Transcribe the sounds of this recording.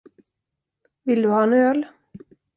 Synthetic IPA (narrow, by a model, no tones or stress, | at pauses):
vɪld̪ɵhɑːɛnøːl